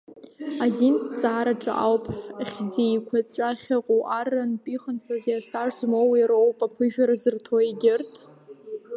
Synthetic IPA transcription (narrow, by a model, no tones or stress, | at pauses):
azint͡sʼaːɾaʈ͡ʂʼa̰ʔawpʰʼħχʲd͡zejkʷʰat͡sʷʼaχʲaqʼuʔaranpʼiχənħʷᶣazjasʰaʐzmowiɾowpʼapʰɨʒᶣaɾazɨrtʰoeɡʲɪrtʰʼ